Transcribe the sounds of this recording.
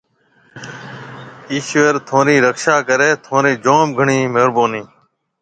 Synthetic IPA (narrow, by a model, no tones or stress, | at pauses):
iːʃʋeɾt̪ʰõːɾĩːɾəkʃaːkəɾeːt̪ʰõːɾĩːd͡ʒõːmɡʱəɳiːmeːɾboːniː